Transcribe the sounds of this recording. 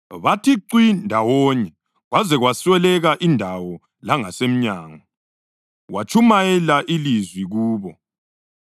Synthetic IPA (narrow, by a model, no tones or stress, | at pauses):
βatʰiǀwindʱawɔɲɛ | ɣwazɛɣwaswɛlɛɣaʔindʱawɔ | laŋasem̩ɲaːŋɔ | wʔat͡ʃʰumajɛlaʔilizwiɣuːβɔ